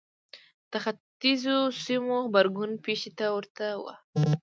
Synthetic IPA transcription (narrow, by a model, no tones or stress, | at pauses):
t̪axat̪izosimoxbaɾɡʊnpeʃet̪awəɾt̪awa̰